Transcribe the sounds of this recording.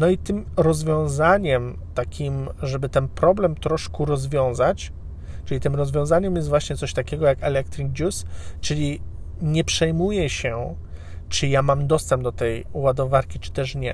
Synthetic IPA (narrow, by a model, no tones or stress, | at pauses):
nɔit̪ɘmɾɔzvʲjɔ̃w̃zaɲɛmt̪akʲʰimʐɛbɘt̪ɛnpɾɔblɛmt̪ɾɔʂkuɾɔzvʲjɔ̃w̃zat͡ɕ | t͡ʂɘlʲit̪ɘmɾɔzvʲjɔ̃w̃zaɲɛmjɛst̪vwaɕɲɛt̪sɔɕt̪akʲɛɡɔjakɛlɛk̚t̪ɾʲiɡ̚d͡ʑust͡ʂɘlʲi | ɲɛpʂɛjmujɛɕɛ | t͡ʂɘjamamd̪ɔst̪ɛmbd̪ɔt̪ɛjuwad̪ɔvaɾkʲit͡ʂɨ̥t̪ɛʂɲɛ